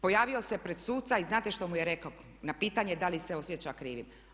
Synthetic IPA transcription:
po̞jaːʋio̞se̞pɾed̪suːt̪saiznaːt̪eʃt̪o̞mujeɾeko | napiːt̪aɲed̪aliseo̞sjet͡ɕakɾiːʋim

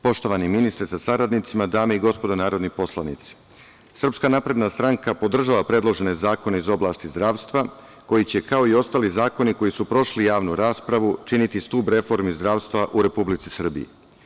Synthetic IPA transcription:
po̞ʃt̪o̞ʋaniminist̪ɾesasaɾad̪nit̪simad̪aːmeiɡo̞spo̞d̪onaːɾo̞d̪nipo̞slˠanḭt̪si̥ | sr̩pskanapɾe̞d̪nast̪ɾaŋkapo̞d̪r̩ʒaʋapɾe̞d̪lo̞ʒe̞ne̞zaːko̞neizo̞blaːst̪izd̪ɾaːʋst̪ʋa | ko̞jit͡ɕe̞kao̞io̞st̪aːlizaːko̞niko̞jisupɾo̞ʃlijaːʋnuɾaːspɾaʋut͡ʃinit̪ist̪uːbɾe̞fo̞ɾmizd̪ɾaːʋst̪ʋaʔuɾe̞publit̪sisr̩bḭḭ

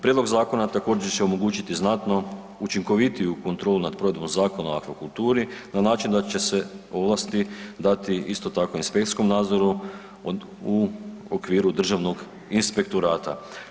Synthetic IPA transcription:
pɾed̪lo̞ɡzaːko̞nat̪ako̞ːd͡ʑeɾt͡ɕeo̞mo̞ɡuːt͡ɕit̪iznat̪no̞ | ut͡ʃiŋko̞ʋit̪ijuko̞nt̪ɾo̞ːlˠunad̪̚pɾo̞ʋe̞d̪bo̞mzaːko̞naakʋakult̪uːɾinanaːt͡ʃind̪at͡ʃe̞se̞o̞ʋlast̪id̪at̪iist̪o̞t̪ako̞inspekt̪ɾi̥sko̞mnaːd̪zo̞ɾu | uokʋiːɾud̪r̩ʒaʋno̞ɡ | inspe̞k̚t̪oɾaːt̪a̰

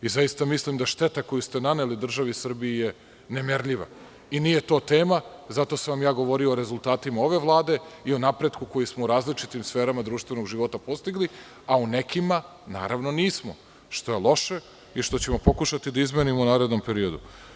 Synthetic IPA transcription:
izajist̪amislimd̪aʃt̪e̞t̪ako̞just̪e̞nane̞lid̪r̩ʒaʋisr̩bijije̞ | nemeɾʎiʋa̰ | iniːje̞t̪o̞ːt̪e̞ːma | zat̪o̞saʋamjaːɡo̞ʋo̞ɾioːɾe̞zulˠt̪aːt̪imao̞ʋe̞ʋlˠaːd̪e̞io̞napɾe̞d̪kuko̞jismouɾaːzlit͡ʃit̪imsfe̞ːɾamad̪ɾuːʃt̪ʋe̞no̞ɡʒiʋo̞t̪apo̞st̪iɡli | aune̞kʰima | na̰ːɾaʋno̞niːsmo | ʃt̪o̞jelˠo̞ʃe̞ | iʃt̪o̞t͡ɕe̞mo̞po̞kuʃat̪id̪aizmenimounaːɾe̞d̪no̞mpe̞ɾio̞d̪ṵ

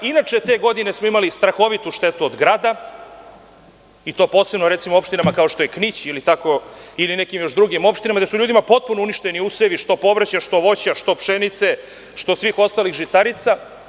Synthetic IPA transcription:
inat͡ʂe̞t̪e̞ːɡo̞d̪ine̞smoimalist̪ɾaxo̞ʋit̪uʃt̪e̞t̪uod̪ɡɾaːd̪a | it̪o̞po̞ːsebnoɾe̞t̪simoo̞pʃt̪inamakao̞ʃt̪o̞jeknit͡ɕilit̪ako̞ilinekimjo̞ʃd̪ɾuɡimo̞pʃt̪inamad̪esuʎuːd̪imapo̞t̪̚punouniʃt̪eniuseʋiʃt̪o̞po̞ʋɾat͡ɕaʃt̪o̞ʋo̞t͡ɕaʃt̪o̞pʂenit̪se | ʃt̪o̞sʋiːxo̞st̪aːlixʒit̪aɾit̪sa

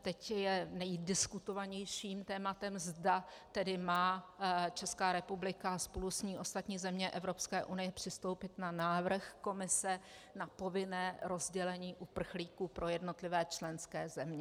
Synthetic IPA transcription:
t̪ɛcjɛnɛjdɪskut̪o̞vaɲɛjʃiːmt̪ɛːmat̪ɛmzdat̪ɛdɪmaːt͡ʃɛskaːɾɛpublɪkaspo̞lusɲiːʔo̞st̪at̪ɲiːzɛmɲɛʔɛvɾo̞pskɛːʔunɪjɛpr̝̥ɪst̪o̞wpɪt̪nanaːvr̩xko̞mɪsɛ | napo̞vɪnɛːɾo̞zɟɛlɛɲiːʔupr̩xliːkuːpɾʔo̞jɛdno̞t̪lɪvɛːt͡ʃlɛnskɛːzɛmɲɛ

